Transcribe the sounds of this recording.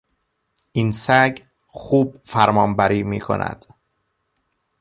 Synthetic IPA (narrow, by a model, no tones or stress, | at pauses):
ʔinsæɡ | xuːb̚fæɾmɒːmbæɾiːmiːkʰo̞̰nʔæ̰d̪̥